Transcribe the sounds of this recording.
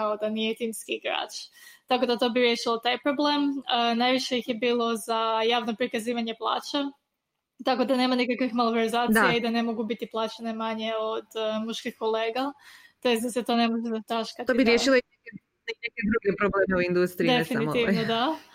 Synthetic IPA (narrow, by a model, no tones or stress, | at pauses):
kaod̪anijet̪imskiɡɾa̰ːt͡ʃ | t̪ako̞d̪at̪o̞biɾje̞ʃilˠot̪ajpɾoble̞mnajʋiʃejixje̞biːlˠo̞zajaːʋno̞pɾikaziːʋaɲe̞plˠa̰ːt͡ɕa | t̪ako̞d̪anemanikakʋixmalˠoveɾizaːt̪ijaid̪anemo̞ɡubit̪iplˠaːt͡ɕane̞maɲe̞od̪muʃkixko̞leːɡa | t̪o̞jest̪d̪ase̞t̪o̞ne̞mo̞ʒezat̪aʃkat̪oibiɾjeʃilˠoeke | neeked̪ɾuɡepɾobleːmeuind̪ust̪ɾid̪efinnimiʋnod̪a